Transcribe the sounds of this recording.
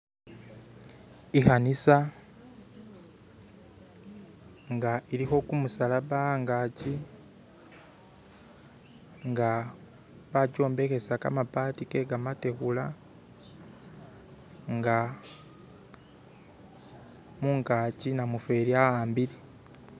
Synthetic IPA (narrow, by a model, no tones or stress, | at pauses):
ixanisa | ŋɡaiɾixo̞kumusalaβaaŋɡaci | ŋɡa | βaco̞ːmbe̞xe̞saka̰mapatike̞ɡamate̞xula | ŋɡa | muŋkacinamufe̞ːɾiaaːmbiɾe